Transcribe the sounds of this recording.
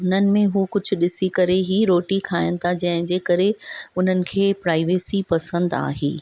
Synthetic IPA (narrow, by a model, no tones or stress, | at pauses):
ʊn̤ənɪ̆mẽɦuːkʊd͡ʑʱʊ̆ɗɪsikɐɾeɦiːɾoːʈikʰaːɪənɪ̆t̪ʰad͡ʑɐ̃ɦɪ̃d͡ʑeːkɐɾeʊn̤ənɪ̆kʰeːpɾaːɪʋeːsipɐsə̃nd̪a̰ːɦḛː